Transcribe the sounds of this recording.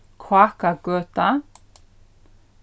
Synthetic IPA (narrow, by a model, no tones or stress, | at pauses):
kʰwaːkaɡøːt̪a